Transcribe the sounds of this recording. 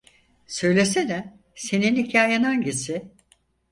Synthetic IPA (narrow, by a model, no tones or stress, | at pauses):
sø̞jlʲesenɛ | se̞ninhicʰaːjananɟisɪ